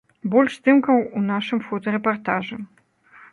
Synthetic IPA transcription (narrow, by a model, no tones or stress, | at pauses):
bɔlʲʂst̪ɨmkɐwunaʂɨmfɔt̪ɐɾɛpart̪aʐɨ